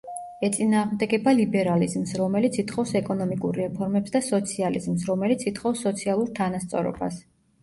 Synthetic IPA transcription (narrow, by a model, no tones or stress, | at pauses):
ɛt̪sʼinaːʁmd̪ɛɡɛbalibɛɾalizmsɾɔmɛlit̪sʰit̪ʰχɔfsɛkʼɔnɔmikʼṵɾːɛpʰɔɾmɛpsd̪asɔt̪sʰialḭzmsɾɔmɛlit̪sʰit̪ʰχɔfsːɔt̪sʰialˠuɾt̪ʰanast̪sʼɔ̰ɾɔ̰b̥as